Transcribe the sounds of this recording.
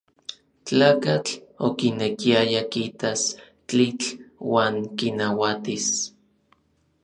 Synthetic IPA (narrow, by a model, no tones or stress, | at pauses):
t͡ɬaːkat͡ɬokinekiajakit̪as | t͡ɬit͡ɬwaːŋkinawat̪is